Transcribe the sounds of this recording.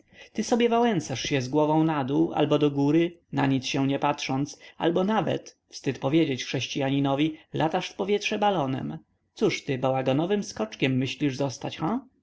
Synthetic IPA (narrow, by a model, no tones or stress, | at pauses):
t̪ɘsɔbʲjɛvawɛnt̪saʂɕɛzɡwɔvɔ̃w̃nad̪uʔa̰lbɔd̪ɔɡuɾɘna̰ɲit̪sɕɛ̃ɲɛpatʂɔnt̪sa̰lbɔnavɛ̰t̪ | fst̪ɘt̪pɔvʲjed͡ʑet͡ɕxʂɛɕt͡ɕijaɲinɔvʲilʔat̪aʂfpɔvʲjɛtʂɛbalɔnɛ̰m | t̪suʂt̪ɘbawaɡɔnɔvɘmskɔt͡ʂkʲɛmːɘɕlʲiʐzɔst̪at͡ɕxã